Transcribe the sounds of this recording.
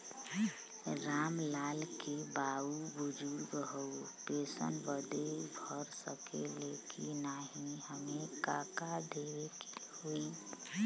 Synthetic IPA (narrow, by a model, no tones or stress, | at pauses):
ɾamlalkebaubud͡ʒuɾɡɦəupesə̰nbəd̪ebʱəɾsəkelekinaɦiɦəmekakad̪eekhoi